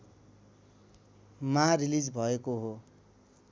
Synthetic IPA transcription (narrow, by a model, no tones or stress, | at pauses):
mãrilid͡zbʱʌekoɦo